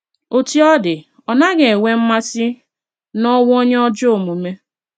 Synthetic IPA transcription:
o˨ti˦ɔ˦dɪ˨ | ɔ˨na˦ɡe˨e˨ŋʷe˦m̩˦ma˦sɪ˦ | nɔ˦wʊ˦o˦ɲe˦ɔ˦d͡ʒo˦o˨mu˨me˦

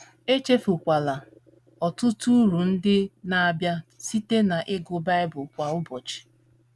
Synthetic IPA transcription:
e˦t͡ʃe˦fu˨kʷa˨la˨ | ɔ˨tʊ˦tu˦ɾu˨n̩˦dɪ˦na˨a˨bja˦si˦te˦na˨ʔɪ˦ɡʊ˨ba˦ɪ˦bʊ˨kʷa˨ʊ˦bɔ˨t͡ʃi̥˨

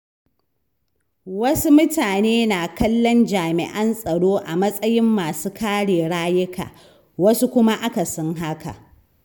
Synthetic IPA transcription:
wɐ˦su˦mʊ˦taː˨neː˦na˨kɐ˦lːɔ˦nd͡ʒaː˨mɪ̰˨ʔɐ˦nsʼɐ˨ɽoː˦ʔa˨mɐ˦sʼɐ˦jɪ˦mːaː˨suː˦kʰaː˦ɽeː˨ɽaː˦jɪ˦kʰa̰ː˨ | wɐ˦su˦kʷʊ˦ma˦ʔa˦ka˨sɔ˦ŋɦa˦ka̰˨ʔ

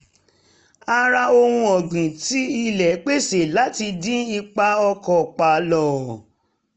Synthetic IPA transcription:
a˧ɾa˧o˧hũ˧ɔ˨ɡ͡bĩ˨ti˨˦i˦lɛ˨˦k͡pe˦˨se˨la˨˦ti˧dĩ˦i˧k͡pa˧ɔ˧kɔ˨k͡pa˨lɔ˨

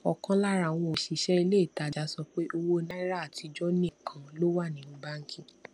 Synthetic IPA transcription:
ɔ˨kã˦la˦ɾa˨w̃ɔ̃˧o˨ʃi˨˦ʃɛ˦i˧le˦i˦˨ta˨d͡ʒa˨˦sɔ˧k͡pe˦ʔo˧wo˦nã˦i˦ɾa˦a˦˨ti˨˧d͡ʒɔ˦nĩ˦˨kʰã˨lo˦wa˦˨nĩ˨ñ̩˦ɡ͡ba˦ŋ̩˦kʰĩ˦

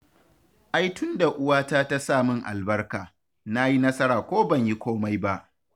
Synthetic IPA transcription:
ʔa˦jtʊ˦nda˨ʔʊ˦waː˦taː˦ta˦saː˦˨mɪ˦ŋʔa̰˨lbɐ˦rkaː˨ | na˦ji˦nɐ˦sɐ˦ɾaː˨kʷoː˦bɐ˦˨ɲji˦kʷoː˦ma˦jba˦ʔ

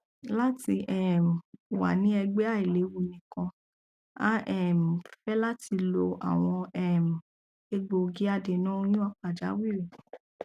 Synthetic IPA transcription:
la˦ti˧ʔɛ˦˨m̩˨wa̰˨nĩ˨˦ɛ˧ɡ͡be˦a˦˨i˨le˨˦wu˧nĩ˨kɔ̃˧ | a̰˦ɛ˦˨m̩˨fɛ˦la˦tʰi˧lo˧ʔa̰˨w̃ɔ̃˧ɛ˦˨m̩˨ | e˧ɡ͡bo˧ɡi˦a˦˧de˨nã˦jũ˦a˧k͡pa˨d͡ʒa̰˨˦wi˦˨ɾe˨

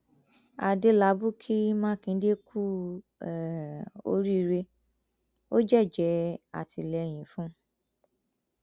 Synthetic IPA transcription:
a˨de˧˦la˨˦bu˦kʰi˦mãː˦˨kĩ˧˦de˦kʰu˦˨ | o̰˧˦ɾi˦˧ɾe˧ | o˦d͡ʒɛ˦˨d͡ʒɛ˨˦a̰˨tʰi˨lɛ˨˧j̃ĩ˨fũ˦

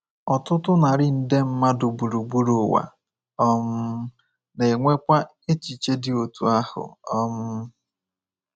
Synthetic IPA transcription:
ɔ˨tʊ˦tʊ˦na˨ɾɪ˦n̩˦de˦m̩˦ma˦dʊ˨ɡ͡bu˨ɾu˨ɡ͡bu˦ɾu˨wa̰˨ | ɔ˦m̩˦ | ne˨ŋʷe˦kʷa˦ | e˦t͡ʃi˨t͡ʃe˦dɪ˨o˨tṵ˨a˦hʊ̰˨ɔ˦m̩˦

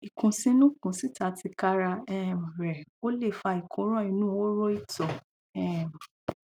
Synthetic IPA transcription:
i˨kũ˨sĩ˦nũ˦kũ˨si˦ta˨˦ti˧ka˦ɾa˧ɛ˦˨m˨ɾɛ˨o˦le˦˨fa˧i˨kʰũ˨˦ɾ̃ɔ̃˦i˧nũ˦o˦ɾo˦i˦˨tɔ˨ | ɛ˦˨m˨

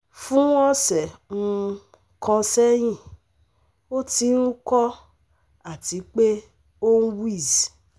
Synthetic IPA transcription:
fũ˦ɔ˦sɛ˨mũ˦˧ | kʰɔ̃˧sɛ˦j̃ĩ˦˨ | o˦ti˨˦n̩˦kɔ˦ | a˨ti˨˦k͡pe˦ | o˦n̩˦wi˦˨z

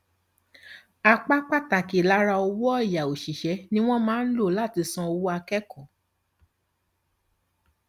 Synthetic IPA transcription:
a˧k͡pa˦k͡pa˦˨ta˨ki˨la˨˦ɾa˧o˧wɔ˦ɔ˦˨ja˨o˨ʃi˨ʃɛ˨˦nĩ˦w̃ɔ̃˦mãː˨˦n̩˦lo˦˨la˦˨ti˧sɔ̃˧o˧wo˦a˧kɛ˦kɔ˦˨

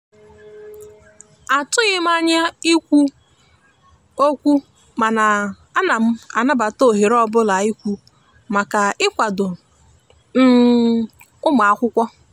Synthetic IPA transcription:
a˨tʊ˦ɣɪ˦m˦a˦ɲa˦i˦kʷu˦ | o˦kʷu˦ | ma˨na˨ | a˦na˨m̩˦a˨na˦ba˨to˦˨ɦe˨ɾɔ˦bʊ˦la˨i˦kʷu˦ | ma˨ka˨ɪ˦kʷa˨dʊ˨ | n̩˦ | ʊ˦ma˨a˦˨kʷʊ˦kʷɔ˦

